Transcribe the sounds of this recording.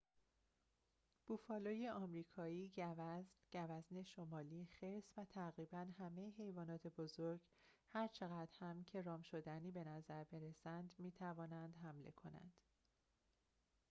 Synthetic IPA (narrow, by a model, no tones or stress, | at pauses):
b̥uːfɒːloːjeʔɒːmɾiːkʰɒːiːɟævæznɟ̥ævæzne̞ʃomɒːliːxeɾsvæt̪ʰæɣɾiːbænɦæme̞jeɦe̞jvɒːnɒːt̪ʰe̞bozoɾɡ | hæɾt͡ʃʰe̞ɣæd̪̥hæmcʰe̞ɾɒːmʃo̞d̪æniːbe̞næzæɾbe̞ɾesænd̪miːt̪ʰævɒːnænd̪̥ɦæmle̞̰kʰo̞̰næ̰nd̪̥